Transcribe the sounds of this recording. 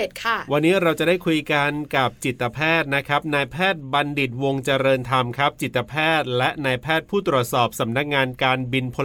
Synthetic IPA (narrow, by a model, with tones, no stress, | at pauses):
e˨˩t̪̚kʰa˥˩wa˧nːiː˦˥ɾa˧wt͡ɕa˨˩daː˥˩jkʰu˧jka˧nka˨˩p̚t͡ɕi˨˩t̪ːa˧pʰɛː˥˩t̪̚na˦˥kʰa˦˥p̚naː˧jpʰɛː˥˩t̪̚ba˧ndi˨˩t̪̚wo˧ŋt͡ɕa˧ɾɤː˧nt̪ʰa˧mkʰa˦˥p̚t͡ɕi˨˩t̪ːa˧pʰɛː˥˩t̪̚lɛ˦˥ʔnaː˧jpʰɛː˥˩t̪̚pʰuː˥˩t̪ɾu˨˩ə˩t̪sɔː˨˩p̚sa˩˦mna˦˥k̚ŋaː˧nkaː˧nbi˧npʰo˧